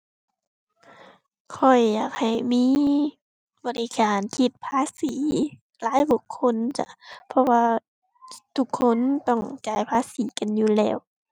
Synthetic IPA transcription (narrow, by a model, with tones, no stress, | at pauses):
kʰɔ˧˩jːaː˨˩k̚ha˨˩jmiː˧˥˨ | bɔ˨˩li˧kaː˨˩nkʰi˧˩t̪̚pʰaː˧˥˨siː˨˦ | laː˨˦jbu˧˩kʰːo˧˥˨nt͡ɕa̰˧˦pʰɔ˧waː˧ | t̪ʰu˧˩kʰːo˧˥˨nt̪ɔ˧˩ŋt͡ɕaː˨˦jpʰaː˧˥˨siː˨˦ka˨njuː˧lɛː˧˩˨w